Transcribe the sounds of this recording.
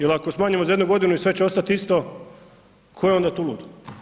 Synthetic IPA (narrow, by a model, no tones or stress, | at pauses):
jelakosmaːɲamozaje̞d̪nuɡo̞d̪inuisʋe̞t͡ɕeo̞st̪at̪ist̪o | kʰojeo̞nd̪aːt̪ulṵːd̪